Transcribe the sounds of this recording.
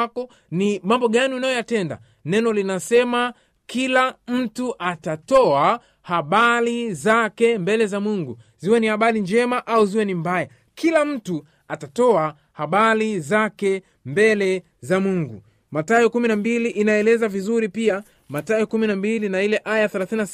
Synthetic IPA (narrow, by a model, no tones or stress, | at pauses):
kɔ | nimambɔɠaniunajɔjatɛnda̰ | nɛnɔlinasɛma | kilam̩tuʔatatɔa | haɓalizakɛmbɛlɛzamuŋɡu | ziwɛnihaɓalind͡ʒɛmaʔauziwɛnimbaja | kʰilam̩tu | atatɔa | haɓalizakɛ | mbɛlɛ | zamuŋɡu | matajɔkuminambiliʔinaɛlɛzavizuɾipia | matajɛkuminambilinailɛʔajaθɛlaθina